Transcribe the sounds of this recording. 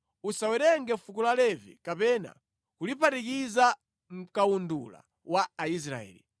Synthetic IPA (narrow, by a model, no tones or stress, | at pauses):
usawɛɾɛŋɡɛfukulalɛvḭkapɛna̰ | kulipatik̬iza | m̩kaundula̰ | waːis̬ɾa̰ɛ̰ːli